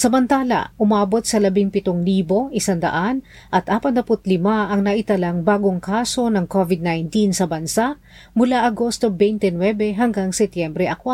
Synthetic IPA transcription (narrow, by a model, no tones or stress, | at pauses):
sɐmɐnt̪aːlɐ̰ʔʔʊmaːbo̞t̪̚sɐlɐbɪŋpɪt̪oŋliːbo̞ʔɪsand̪ɐ̰ʔan | ʔɐt̪ʔaːpɐd̪ɐpʊt̪̚lɪmaʔɐŋnɐʔɪt̪ɐlaŋbaːɡoŋkaːso̞nɐŋkovɪd̪̚najnt̪insɐbɐnsaʔ | mʊlaʔɐɡo̞st̪obɛjnt̪ɛnwɛbɛɦɐŋɡaŋsɛt̪jɛmbɾɛʔɐkwa